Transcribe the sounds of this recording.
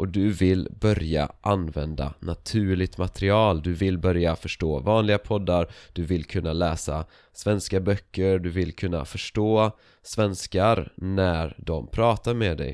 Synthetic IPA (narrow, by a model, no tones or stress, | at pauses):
ʔɔd̪ɵvɪlbœɾja̰ʔanvɛnd̪a̰nat̪ʰʉ̟ːɭɪɡ̚t̪mat̪ɾɪɑːld̪ɵvɪlbœɾjafœʂʈoːvɑːnlɪɡapʰɔd̪ːaɾd̪̥ɵvɪlkʰɵnːalɛːsa | svɛnskabœkːəɾɖ̪ɵvɪlːkʰɵnːa̰fœʂʈoː | svɛnskaɾnæɾɖ̪ɔmpʰɾɑːt̪aɾmɛd̪ɛ̰j